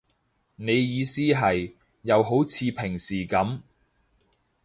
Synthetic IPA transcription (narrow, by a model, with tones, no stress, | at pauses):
ne˨˧jːiː˨˧siː˥ɦɐ˨jː | ɐ˨˧wɦo˨˥wt͡sʰiː˨˧pʰɪ˨˩ŋsiː˨˩kɐ˨˥m